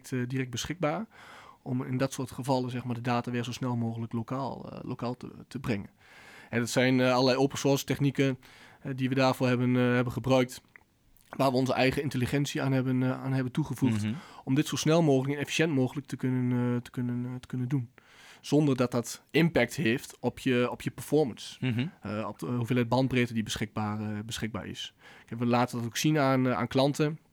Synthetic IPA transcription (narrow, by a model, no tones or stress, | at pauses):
tdirɛk̚bəsχɪk̚baːrʔɔmɪ̰ndɔtsortχəvɑlˠəzɛxmaːdədaːtaʋɪːrzosnɛlˠmoːɣələklokaːlˠlo̰kaːlˠtə̰tʰəbrɪŋən | hɛdɔtsɛjnɑləlɛjowpənsorstɛχnikənhɛdiʋədaːrfoːɹɦɛbənɦɛbənχəbrœɥk̚t | ʋaːrʋəɔnzəʔɛjχəɪnteliχɛnsiaːnɛbəaːnɦɛbəntuχəvuxtɔmdɪtsoːsnɛlˠmoːɣləknɛfi̥sjɛntmoːɣələk̚təkɵnəntə̥kɵnəntə̥kɵnəndun | z̥ɔndərdɔt̚dɔtɪmpɛk̚theːftɔpjəɔpʰjəpərfɔrməns | ɔɦuvɪːlˠɛt̚bɑnbrɪtədibəsχɪɡ̚baːrbəsχɪɡ̚ba̰ːɹɪ̰skɛkʋəlaːtədɔtoksinana̰ːnklɑntə